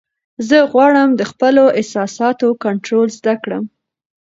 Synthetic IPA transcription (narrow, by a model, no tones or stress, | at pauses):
zəɣwɑɽəmd̪əxpəloʔɪsɑsɑt̪okaɳʈɾolzd̪akɽə̰m